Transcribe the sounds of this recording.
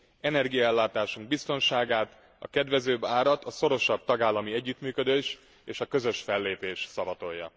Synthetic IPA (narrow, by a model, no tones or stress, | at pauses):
ɛnɛrɡijɒɛlːaːt̪aːʃuŋɡ̚bist̪o̞nʃaːɡaːt̪ | ɒ̰kɛd̪ʋɛzøːbaːɾɒt̪ɒso̞ɾo̞ʃɒb̚t̪ɒɡaːlːɒmiɛɟːyt̪myːkød̪øːʃ | eːʃɒkø̞zø̞ʃfɛlːeːpeːʃsɒvɒt̪o̞jːɒ̰